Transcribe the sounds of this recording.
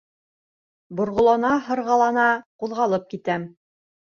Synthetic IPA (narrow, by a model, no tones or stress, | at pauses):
bŏɾʁŏlˠɑnɑɦɤ̆ɾʁɑlˠɑnɑquðʁɑlˠɤp̚kit̪æm